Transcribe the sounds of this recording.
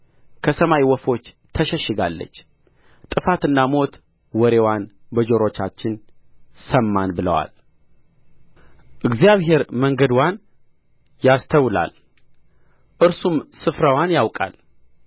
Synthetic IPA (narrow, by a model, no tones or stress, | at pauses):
kʰəsəmajwɔfo̞t͡ʃː | t̪ʰəʃəʃːɨɡalːə̰t͡ʃː | t̪ʼɨfat̪ɨnːamo̞t̪ | wɔɾe̞wanbəd͡ʒo̞ɾo̞t͡ʃːat͡ʃːɪnsəmːanbɨlə̰wa̰l | ʔɨɡzjaβɦe̞ɾməŋɡəd̪wan | jast̪ʰəwla̰l | ʔɨɾsumsɨfɾəwanjawkʼa̰l